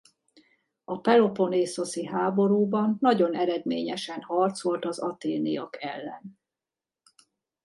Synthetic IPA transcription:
ɒpɛlo̞po̞neːso̞siɦaːbo̞ɾuːbɒnːɒɟo̞nɛɾɛd̪meːɲɛʃɛnhɒrt̪so̞lt̪ɒzɒt̪eːnijɒkɛ̰lːɛ̰n

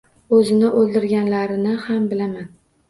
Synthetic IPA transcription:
ɵzɪnɪʔolˠd̪ɪɾɡʲanlaɾɪnɪhambɪlaman

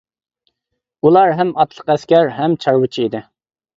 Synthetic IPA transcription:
ulˠɑɾɦɛmɑt̪lˠəqɛskʲæɾɦɛmt͡ʃʰɑɾwɨt͡ʃʰiid̪ɪ

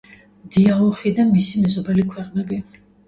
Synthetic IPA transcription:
d̪̥iaɔχid̪amisimɛzɔbɛlikʰwɛqʼnɛbi

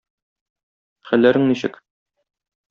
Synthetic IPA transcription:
χælːæɾɘŋniɕɘ̰k

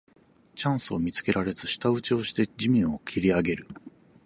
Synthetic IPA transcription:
t͡ɕãɰ̃sɨomʲit͡sɨ̥ke̞ɾaɾe̞d͡zɨɕi̥t̪aɯ̟t͡ɕio̞ːɕi̥t̪e̞d͡ʑimʲĩɰ̃o̞kʲʰiɾʲiaɡe̞ɾɯ̟

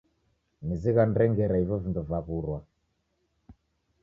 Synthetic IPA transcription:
niziɣandɛŋɡɛɾaivɔvinduvaɣuɾwa

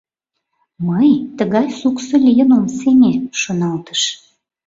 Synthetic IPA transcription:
məjt̪əɣɑjsuksə̆lʲijənomsenʲeʃonɑlt̪ə̥ʃ

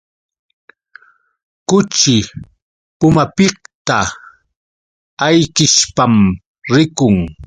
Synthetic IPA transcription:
kʊt͡ʃɪ | pʊmapɪh̚t̪a | ajkɪʃpam | ɾɪkʊŋ

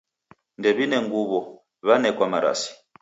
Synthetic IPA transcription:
ndɛβinɛŋɡuβɔ | βanɛkwamaɾa̰si̥

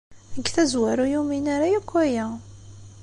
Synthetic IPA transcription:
əɡːθæzwæɾujuminaɾajækʷːæjæ

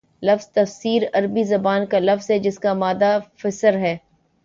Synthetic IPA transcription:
lɐfz̥t̪ɐfsiːɾɐɾbizɐbaːnkalɐfzɦɛd͡ʒɪskamaːd̪afɪsəɾɦɛː

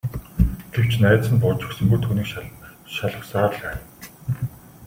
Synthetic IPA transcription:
ɡ̥ew̥t͡ɕnæːt̪t͡sɘ̆npʊːt͡ɕɪ̆ksɵ̆ŋɡujt̪ʰuːniːkʃaɮə̆χsaːrɮæː

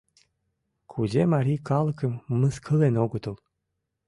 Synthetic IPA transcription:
kʰuzʲemaɾʲijkɑlˠə̆kə̆mːəskʰəlenoɡət̪əlˠ

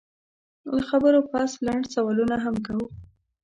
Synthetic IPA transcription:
ləxabəɾopaslaɳɖsawɑlunaɦamkawu

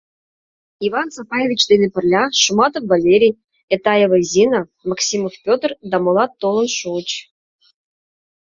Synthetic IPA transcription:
ivɑnt͡sapɑjevʲit͡ɕd̪enĕpɘ̆rlʲɑʃumɑt̪əvvalʲeɾʲij | et̪ɑjevɤzʲinamɑksʲimofpʲot̪rd̪ɑmolˠɑt̪ːolˠɤ̆nʃut͡ɕ

